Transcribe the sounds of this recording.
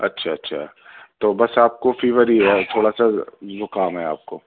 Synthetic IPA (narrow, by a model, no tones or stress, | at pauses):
ɐ̰tːʃʰaɐtːʃʰa̰ | t̪oːbɐsaːp̚kofeːʋəɾiɦɛt̪ʰoːɽasazʊkaːmɦɛaːp̚koː